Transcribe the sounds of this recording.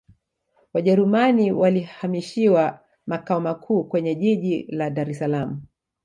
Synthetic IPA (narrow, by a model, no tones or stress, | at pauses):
waʄɛɾumaniwalihamiʃiwa | makaɔmakʰuːkwɛɲɛʄiʄilaɗaɾɛsalamu